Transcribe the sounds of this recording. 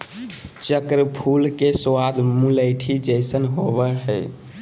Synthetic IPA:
t͡ʃəkɾəpʰulkeswad̪muləɪʈʰid͡ʒəjsənɦobəɦə̰j

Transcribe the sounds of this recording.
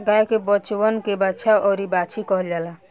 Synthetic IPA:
ɡajkebət͡ʃwənkebat͡ʃʰaʔɔɾibat͡ʃʰikɔɦəld͡ʒala

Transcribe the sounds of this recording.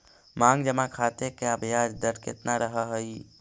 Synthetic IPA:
maŋɡd͡ʒəmakʰat̪ekeəbʱjad͡ʒd̪əʈkḛt̪naɾəɦəɦəj

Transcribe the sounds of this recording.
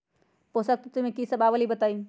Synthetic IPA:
poːsɐk̚t̪ut̪ʊm̤ẽkisɐbaːʋəlibɐt̪aːi

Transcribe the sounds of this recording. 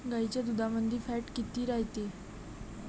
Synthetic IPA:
ɡait͡ɕad̪ud̪ʱamənd̪ʱiːfæʈkit̪iːɾaɦit̪e

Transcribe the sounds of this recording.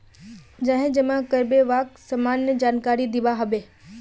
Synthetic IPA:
d͡ʒãːɦẽd͡ʒemãkəɾbeʋaːksəmaːnːəd͡ʒaːnkaːɾid̪ɪʋaɦəʋeː

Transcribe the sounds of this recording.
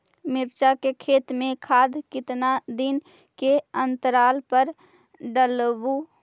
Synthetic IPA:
mɪɾt͡ʃakekʰeːt̪mẽkʰaːd̪kɪt̪nad̪ɪn | keənt̪əɾaːlpəɾ | ɖəlbu

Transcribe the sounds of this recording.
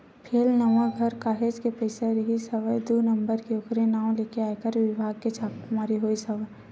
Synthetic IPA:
pʰeːlnəʋãɡʱəɾkaːɦed͡ʒkepəɪseɾəɦisəʋəjd̪unə̃mbəɾkeʊkɾenaːõleːkeaːekəɾʋɪbʱaːɡ̚ket͡ʃʰaːkmaːɾiɦoːisəʋəj

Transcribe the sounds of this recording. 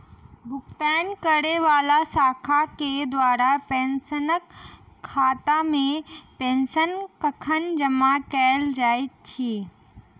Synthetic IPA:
bʊkt̪aːnkəɽeʋaːlasaːkʰaked̪ʋaːɾapẽːnsənəkʰː | aːt̪amẽpẽːnsənkəkʰənd͡ʒɐmakɛːld͡ʒaːit̪t͡ʃʰiː

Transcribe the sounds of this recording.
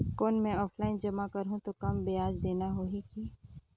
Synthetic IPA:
koːnmẽɔːpʰlaːɪnd͡ʒɐmakɐɾɦũt̪okɐmbejaːd͡ʒd̪eːnaɦoːikiː

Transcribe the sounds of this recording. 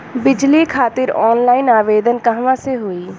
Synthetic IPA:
bɪd͡ʒliːkʰaːt̪ɪɾɔːnlaːinaːʋeːd̪ənkəɦʋãːseɦoːiː

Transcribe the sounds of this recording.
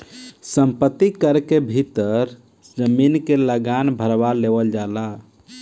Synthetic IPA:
səmpət̪ːikəɾkebʱit̪əɾ | d͡ʒəminkeləɡanbʱəɾbaleʋəld͡ʒala

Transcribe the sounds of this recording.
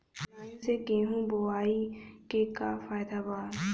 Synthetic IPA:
eseɡẽːɦũboaːikekafaːɪd̪aːbaː

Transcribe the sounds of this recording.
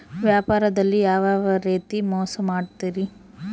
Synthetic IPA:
ʋjaːpaːɾɐd̪ɐlːijaːʋaːʋɐɾeːt̪imɔːsɐmaːɖt̪iːɾi

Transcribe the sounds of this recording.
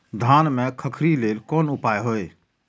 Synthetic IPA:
d̪ʱaːnmẽkʰəkʰɾileːlkɔːnʊpaːjɦoːe

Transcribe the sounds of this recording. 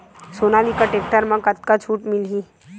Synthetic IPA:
soːnalikəʈeːk̚ʈəɾmãkət̪̚kat͡ʃʰuːʈmɪlɦiː

